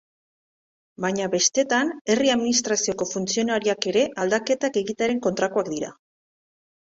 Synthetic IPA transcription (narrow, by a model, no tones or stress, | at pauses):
baɲaβe̞st̪e̞t̪ane̞riaðminist̪ɾasio̞ko̞funt͡sio̞naɾiake̞ɾe̞ʔald̪ake̞t̪ake̞ɣit̪eaɾe̞ŋko̞nt̪ɾakoakd̪iɾa̰